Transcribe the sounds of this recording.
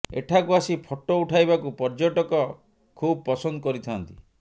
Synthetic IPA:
ḛʈʰakuasipʰɔʈːouʈʰajbakupɔɾd͡ʒoʈɔkɔ | kʰub̚pɔsɔnd̪ɔkɔɾit̪ʰant̪i

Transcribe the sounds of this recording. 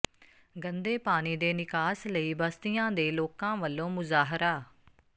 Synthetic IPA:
ɡənd̪eːpaːniːd̪eːnɪkaːsləiːbəst̪ɪjãːd̪eːloːkãːʋəlːõːmʊzaːɦɾaː

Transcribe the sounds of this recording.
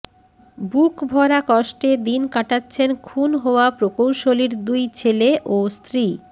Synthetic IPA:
bukbʱɔɾakɔʃʈed̪inkaʈatːɕʰenkʰunɦɔoapɾokowʃoliɾd̪ujt͡ɕʰeleʔost̪ɾi

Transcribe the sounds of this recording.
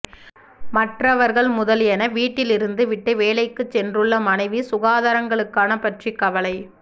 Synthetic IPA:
mɐʈrɐʋɐɾɣɐɭmʊðɐljɛnɐʋiːʈːɪlɪɾɯnd̪ɯʋɪʈːɯʋeːlɐɪkːɯt͡ʃːɛndrɯɭːɐmɐnɐɪʋisʊɣaːðɐɾɐŋɡɐɭɯkːaːnɐpɐʈrikːɐʋɐlɐɪ

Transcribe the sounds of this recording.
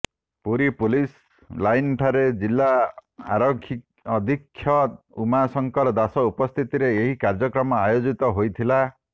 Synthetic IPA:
puɾipulis | lajnʈʰaɾed͡ʒilːaa̰ɾɔkʰiː | d̪ʱikʰːjɔ | umasɔŋkɔɾd̪asɔupɔst̪ʰit̪iɾeːɦikaɾd͡ʒɔkɾɔmɔajod͡ʒit̪ɔɦojt̪ʰila

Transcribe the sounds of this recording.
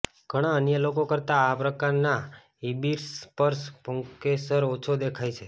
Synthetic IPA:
ɡ̥ʱəɽ̃aənjəlokokəɾt̪aːpɾəkaɾna | ibiɾspəɾspoŋkesəɾot͡ʃʰod̪ekʰajt͡ʃʰe

